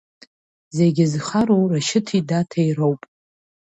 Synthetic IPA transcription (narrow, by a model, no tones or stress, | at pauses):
zeɡʲɪzχaɾowraʃɪtʰidatʰajrowpʼ